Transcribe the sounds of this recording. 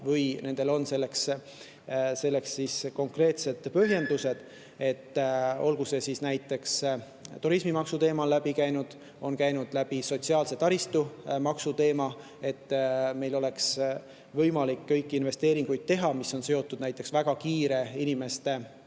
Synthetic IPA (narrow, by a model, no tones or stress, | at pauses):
vɤjne̞nd̪̥e̞lo̞nse̞lːe̞ks | se̞lːe̞ksːiːsko̞ŋkre̞ːt̪se̞d̪̥pøɦje̞nd̪̥use̞d̪̥ | e̞t̪ːo̞lɡuse̞sisnæjt̪ːˑe̞ks | t̪uɾismimɑksut̪e̞ːmɑlːæbikæjnud̪̥ | o̞nkæjnud̪̥læb̥iso̞t̪siɑːlse̞t̪ɑɾist̪umɑksut̪e̞ːmɑ | e̞t̪ːme̞jlo̞le̞ks | vɤjmɑlikːɤjkːˑiinve̞st̪e̞ːɾiŋɡ̥ujd̪̥̚t̪ːe̞ɦɑmisːo̞nse̞o̞t̪ːud̪̥næjt̪ːˑe̞ksvæɡ̥ɑkiːɾe̞inime̞st̪e̞